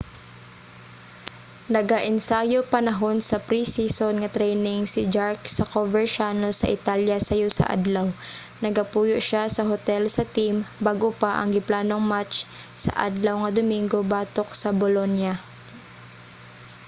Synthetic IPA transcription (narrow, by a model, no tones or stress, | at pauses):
nɐɡaʔɪnsaːjopɐnɐɦo̞nsɐpɾisisonŋɐt̪ɾɛjnɪŋsɪd͡ʒaɹksɐkovɛɹʃaːnosɐ̰ʔɪt̪aljɐsɐjosɐ̰ʔa̰d̪law | nɐɡɐpuːjoʔʃasɐɦot̪ɛlsɐt̪imbaːɡopaʔɐ̰ŋɡɪplaːnoŋmat͡ʃsɐ̰ʔa̰d̪lɐwŋɐd̪ʊmiŋɡo̞baːt̪ok̚sɐbolonja